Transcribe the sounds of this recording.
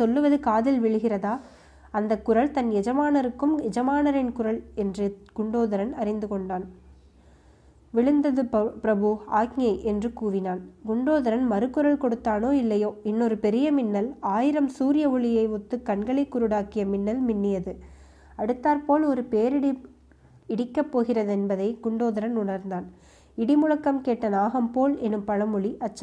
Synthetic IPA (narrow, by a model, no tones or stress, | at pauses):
sɔlːɯʋɐðɯkaːðɪlʋɪɭɯɣɪrɐðaː | ɐnd̪ɐkːʊɾɐɭt̪ɐnɛd͡ʒɐmaːnɐɾɯkːɯmɛd͡ʒɐmaːnɐɾɪnkʊɾɐɭɛndrɯɡ̥ʊɳɖoːðɐɾɐnɐɾɪnd̪ɯkɔɳɖaːn | ʋɪɭɯnd̪ɐðɯpɾɐbɯaːkŋɐɪʔɛndrɯkuːʋɪnaːnɡʊɳɖoːðɐɾɐnmɐɾɯkːʊɾɐɭkɔɽɯt̪ːaːnoːɪlːɐjoːɪnːɔɾɯpɛɾɪjɐmɪnːɐlaːjɪɾɐmsuːɾɪjɐʋɔɭɪjɐɪʋʊt̪ːɯkːɐɳɡɐɭɐɪkːʊɾɯɽaːkɪjɐmɪnːɐlmɪnːɪjɐðɯ | ɐɽɯt̪ːaːɾpoːlɔɾɯpeːɾɪɽi | ɪɽɪkːɐpːoːɣɪrɐðɛnbɐðɐɪɡʊɳɖoːðɐɾɐnʊɳɐɾnd̪aːn | ɪɽɪmʊɻɐkːɐmkeːʈːɐnaːɣɐmpoːlɛnːɯmpɐɻɐmɔɭiʔɐt͡ʃːɐ